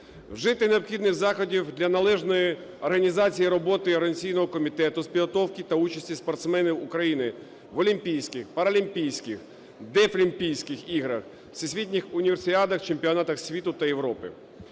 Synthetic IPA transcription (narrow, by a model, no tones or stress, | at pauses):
wʒɪt̪ɪneɔpxʲid̪nɪxzɑxɔdʲiwd̪lʲɐnɐlˠɛʒnɔji | ɔrɦɐnʲizɑt͡sʲijiɾɔbɔt̪ɪɐɾɐnʲsʲijnɔɦɔkɔmʲit̪ɛt̪ʊspʲid̪ɦɔt̪ɔwkɪt̪ɐut͡ʃɐsʲtʲispɔrt̪smɛnʲiwʊkɾɐjinɪ | ʋɔlʲimpʲijsʲkɪxpɐɾɐlʲimpʲijsʲkɪx | d̪ɛflʲimʲpʲijsʲkɪxiɦɾɐx | sʲɪsʲʋʲit̪ʲnʲɪxʊnʲiʋersʲɑd̪ɐxt͡ʃemʲpʲiɔnɑt̪ɐxsʲʋʲit̪ʊt̪ɐjewɾɔpɪ̰